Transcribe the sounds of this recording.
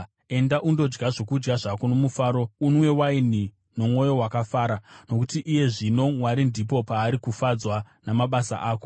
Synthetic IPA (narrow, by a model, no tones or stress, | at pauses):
e̞ndaʔundo̞d͡ʒɡaʐo̞kud͡ʒɡaʐakonomufaːɾo̞unwe̞waini | no̞mwo̞jo̞wakafaːɾano̞kutiʔːje̞ʐino̞mwaɾindipo̞paːɾikufad͡zwa | namaɓasa̰ʔaːko̞